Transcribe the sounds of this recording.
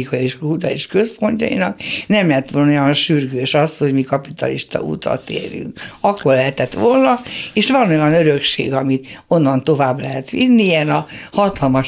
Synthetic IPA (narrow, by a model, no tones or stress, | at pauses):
ikɒeiʃut̪ɒeʃkø̞spo̞ɲcɒ̰jḭnɒknɛmlɛɦɛt̪ʋolnojɒnʃyrɡøːʃɒst̪ho̞ɟmikɒpit̪ɒliʃt̪ɒ̰ʔṵt̪ɒ̰t̪ḛːɾjy̰ŋkɒkːo̞rlɛɦɛt̪ɛt̪ʋolnɒeːʃʋɒno̞jɒnøɾøkʃḛːɡɒmit̪o̞nːɒnt̪o̞vaːblɛɦɛt̪ʋinːiɛnɒhɒt̪ɒlmɒʃ